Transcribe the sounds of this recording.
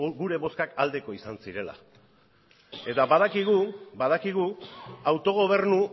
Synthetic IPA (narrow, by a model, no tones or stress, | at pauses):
ɣuɾe̞βo̞skakald̪e̞ko̞isansiɾe̞la̰ | e̞t̪abað̞akiɣ̞ubað̞akiɣuawt̪o̞ɣ̞o̞β̞e̞ɾnu